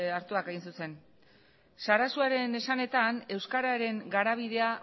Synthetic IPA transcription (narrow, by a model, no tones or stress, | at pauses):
aɾt̪uakeɣinsuse̞n | saɾasuaɾe̞ne̞sane̞t̪ane̞wskaɾaɾe̞ŋɡaɾaβ̞iðe̞a